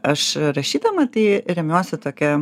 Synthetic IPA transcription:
ɐʃɾɐʃʲiːd̪ɐmɐt̪ɐɪɾʲɛmʲɛʊsʲɛt̪oːkʲɛ

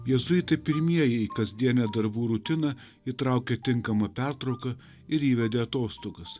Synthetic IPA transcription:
jɛzʊjɪt̪ɐɪpʲɪɾʲmʲiɛjɛɪkɐzʲd̪ʲiɛnʲɛd̪ɐɾbuːɾʊt̪ʲɪnɐ | it̪ɾɑˑʊkʲɛt̪ʲɪŋkɐmɐpʲæˑɾt̪ɾɐʊkɐ | ɪɾiːʋʲɛd̪ʲeːɐt̪oːst̪oːɡɐs

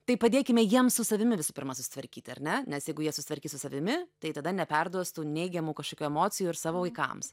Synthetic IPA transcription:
t̪ɐɪpɐd̪ʲeːkʲɪmʲɛjiɛmssʊsɐʋʲɪmʲɪʋʲɪsʊːpʲɪɾmɐsʊsʲɪ̥t̪ʋɐɾʲkʲiːt̪ʲɐ̰ɾʲnʲɛnʲɛsjɛɪɡʊjiɛsʊsʲɪt̪ʋɐɾʲkʲiːsʊsɐʋʲɪmʲɪt̪ɐɪt̪ɐd̪ɐnʲɛpʲɛrd̪uɔst̪uːnʲɛɪɡʲɛmuːkɐʃkoːkʲuːɛmoːt͡sʲɪjuːɪɾsɑːʋoːʋɐɪkɐ̰ms

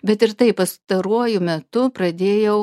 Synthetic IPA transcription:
bʲɛt̪ɪɾt̪ɐɪppɐst̪ɐɾuɔjʊmʲɛt̪ʊpɾɐd̪ʲeːjɛʊ

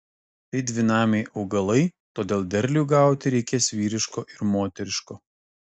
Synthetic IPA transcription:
t̪ɐɪd̪ʲʋʲɪnɑːmʲɛɪʔɒʊɡɐlˠɐɪt̪oːd̪ʲeːlˠd̪ʲɛɾʲlʲuːɡɑˑʊt̪ʲɪɾʲɛɪkʲeːsʋʲiːɾʲɪʃkoːʔɪɾmoːt̪ʲɛɾʲɪʃkoː

